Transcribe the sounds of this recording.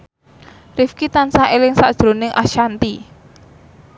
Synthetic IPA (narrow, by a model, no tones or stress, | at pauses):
rifkit̪ansaelɪŋsa̰d̥ʒ̥ɾo̤nɪŋʔa̰ʃant̪i